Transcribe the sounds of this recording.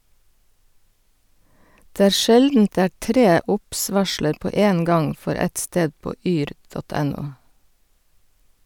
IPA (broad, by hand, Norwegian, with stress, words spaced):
ˈdeː ˈæːɾ ˈʃɛldn̩t ˈdeː ˈæː ˈtɾeː ˈʊps ˈʋɑʃləɾ ˈpoː ˈeːn ˈɡɑŋ ˈfɔɾ ˈɛt ˈsteːd ˈpoː ˈyːɾ ˈdɔt ˈɛˌnuː